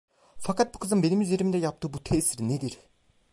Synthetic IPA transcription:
fakʰat̪̚bukʰɯzɯnbe̞nimyze̞ɾimnd̪ɛjap̚t̪ʰɯːbut̪ʰɛsiɾned̪iɾ

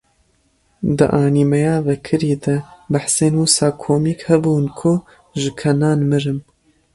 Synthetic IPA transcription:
d̪ɨ̰ʔɑːniːmɛjaːvɛkʰɨɾiːd̪ɐbaħseːnwusɑːkʰoːmiːkhɛbuːnkʰʊ | ʒɨkʰɐnaːnmɨɾɨm

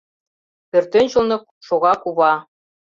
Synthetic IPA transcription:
pø̆rt̪enʲɕɤ̆lnɤ̆k̚ʃoɣɑkuβɑ

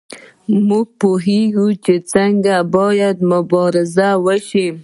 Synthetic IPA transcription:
muɡ̚poɦeɡut͡ʃet͡səŋɡabɑjad̪mʊbɑɾɪzawəʃi

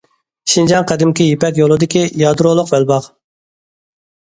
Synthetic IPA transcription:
ʃind͡ʒɑŋqʰɛd̪ɪmkʲijepɛkʲjolˠɨd̪ɪkʲijɑd̪ɾolˠʊqbɛlbɑq

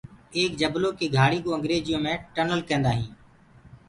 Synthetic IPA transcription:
eːk̚d͡ʒəbloːkeːɡʱaːɽiːkoːəŋɡɾeːd͡ʒɪjõːmẽːʈənəlkẽːnd̪aːɦĩː

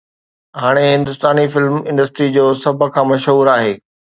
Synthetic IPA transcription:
ɦaːɽ̃eɦɪ̃nd̪ʊst̪aːnifɪlmɪ̃nɖəsʈɾid͡ʑoːsɐbʱə̆kʰãːmɐʃɦuːɾaːɦeː

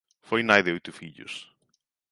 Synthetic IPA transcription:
fojnajðɪojt̪ʊfiʎʊ̰s

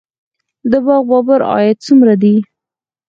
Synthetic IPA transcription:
d̪əbɑɣbɑbaɾɑ̰jat̪̚t͡sumɾad̪i

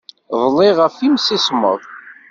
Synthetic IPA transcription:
ðˤlːɪʁəfimsismə̰ðˤ

